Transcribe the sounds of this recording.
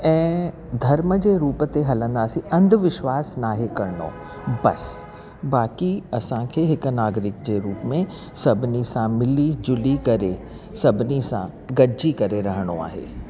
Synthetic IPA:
ɛ̃ː | d̪ʱɐɾməd͡ʑeːɾuːpt̪eɦɐlə̃nd̪aːsĩʔɐ̃nd̪ʱʋɪʃʋaːsnaːɦekɐɾno̰ː | bɐs | baːkiɐsãkʰeːɦɪkʊ̆naːɡɾɪkd͡ʑeːɾuːpmẽ | sɐbʱɪnisãmɪlid͡ʑʊlikɐɾe | sɐbʱɪnisã̰ | ɡɐd͡ʑikɐɾeɾɐɦəɽ̃o̰a̰ːɦḛː

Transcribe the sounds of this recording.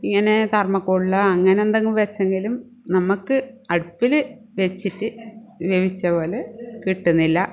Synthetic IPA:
iŋːɐne̞t̪ɐrmɐkːoɭːɐɐŋːɐnend̪ɐŋːumʋɐt͡ɕːeŋɡilum | nɐmukːɨɐɽupːilɨ | ʋet͡ɕːitːɨʋeʋit͡ɕːɐpo̞ːlekiʈːunːilːɐ

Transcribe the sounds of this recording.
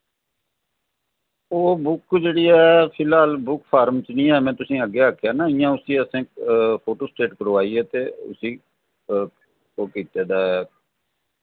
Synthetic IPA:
oːbʊkd͡ʒeːɽiːɛːpʰɪlɦaːlbʊkpʰaːɾmt͡ʃnĩːɛːmɛ̃ːt̪ʊsĩːəɡːeːaːkʰjaːnãːɪjãːʊsĩːəsẽːkpʰoːʈoːsʈeːʈkəɾʋaːiːɛːt̪eːʊ̰sĩː | oːkiːt̪eːd̪aːɛː

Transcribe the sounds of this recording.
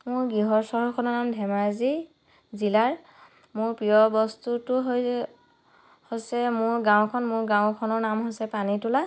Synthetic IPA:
mʊɹɡiɦɔɹsɔɦɔɹkʰɔnɔnamdʱɛmaɹzi | zilaɹ | mʊɹpɹijɔbɔstutʊɦ | hojsɛmʊɹɡãw̃kʰɔnmʊɹɡãw̃kʰɔnɔɹnamɦojsɛpanitʊla

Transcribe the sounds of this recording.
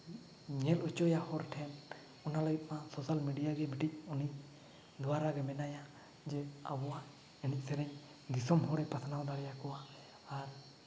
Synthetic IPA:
ɲɛlɔt͡ʃɔjahɔɾʈʰɛn | ɔnaləɡit̪̚masɔsalmiɖijaɡɛbiʈic̚uni | d̪ɔwaɾaɡɛmɛnaja | d͡ʒɛa̰bɔwa | ɛnic̚ˀsɛɾɛɲ | d̪isɔmɦɔɽɛpat̪ʰanawd̪aɽɛjakɔwaː | ɾ

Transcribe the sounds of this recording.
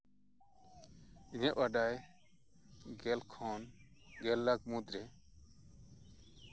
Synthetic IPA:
iɲaʔʔaɖaj | ɡɛlkʰɔnɡɛlːak̚mud̪ɾɛ

